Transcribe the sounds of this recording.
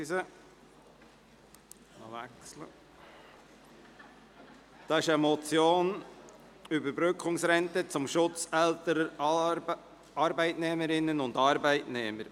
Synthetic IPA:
sə | ɑ̰ʋæ̰kslə̰ | d̥ɑːɪʃəmɔt͡sjoːn | ʏbəɾbɾʏkʰχʊŋsɾɛntət͡sʊmʃʊt͡sɛltəɾə | ɑɾbæɪtnɛməɾɪnːənʊndɑːɾbæɪtnɛːməɾ

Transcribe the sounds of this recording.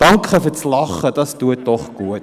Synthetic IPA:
d̥ɐŋkχəfətslɐχədɐsduətːɔχɡ̥uət̚

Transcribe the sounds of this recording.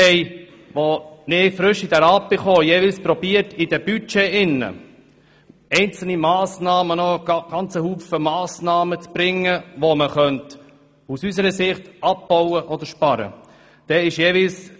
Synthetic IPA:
ɛɪ | ʋonɪfɾʏʃid̥ɛɾɑpːɪχoːjeːvɪlspɾɔbiːəɾtɪd̥ɛb̥yt͡ʃeʔɪnːə̰ | ɛɪnt͡sl̩nimɑːsnɑːmənɔ̥ɡ̥ɑnt͡səhuːfəmɑːsnɑːmət͡sb̥ɾɪŋːəʋoməχœnt | usysəɾəsɪχtɑp̚b̥owəʔɔd̪əɾʃpɑɾə̰ | d̥ɛɪʃjeːvɪls

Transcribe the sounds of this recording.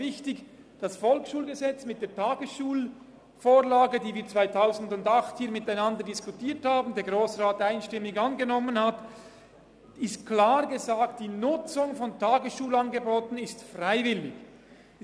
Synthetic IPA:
ɪçtɪç | d̥ɑsfɔlksʃuːlɡəzɛt͡smɪt̚d̥eːɐtʰaːɡəsʃuːl | foːʁlaːɡədiːviːɐt͡sv̥aɪtʰaʊzn̩dʊndɑχthiːɐmɪtaɪnɑndədɪskutiːɐthaːbn̩deːɐɡʁoːsʁaːtaɪnʃtɪmːɪɡɑnɡənɔmənhat | ɪstkʰlaːʁɡəzaːktd̥iːnʊt͡sʊŋfɔntʰaːɡəsʃuːlɑnɡəboːtn̩ɪstfʁaɪvɪlɪç

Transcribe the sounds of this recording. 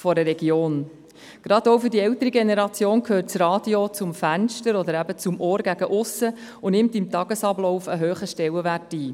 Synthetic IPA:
fɔɾəɾɛɡ̥joːn | ɡ̥ɾɑdɔʊfʏɾdiɛtəɾiɡenɛɾɑt͡sjoːnkʰøːt̚t͡srɑːd̥jot͡sʊmfænʃtəɾɔd̪əɾæbət͡sʊmʔɔːɾɡ̥æɡ̥əʔʊsə | ʊnɪmtimtɑɡ̥əsɑblɔʊfəɦøːχəʃtɛləʋærtiː

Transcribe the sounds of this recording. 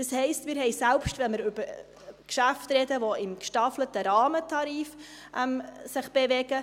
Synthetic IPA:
d̥ɑshɛɪstmɪːɾɦɛɪsælpʃtvɛnməɾʏbəɾ | kʃæftɾɛdəʋoɪmkʃtɑflətəɾɑːmətʰɑɾiːf | ʔɛmsɪχb̥evɛɡ̥ə

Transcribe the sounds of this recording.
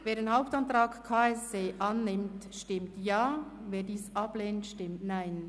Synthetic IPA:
veːɐɾeːnɦaʊp̚tantʁaːkkʰaːɛst͡seːʔɑnːɪmtʃtɪmtjaː | veːdiːsɑb̥leːntʃtɪmtnaɪn

